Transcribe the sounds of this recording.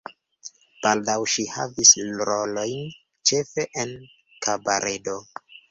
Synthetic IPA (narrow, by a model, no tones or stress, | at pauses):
b̥aldawʃiha̰vislɾolo̞jn | t͡ʃe̞fe̞ʔen | kʰabaɾʔedo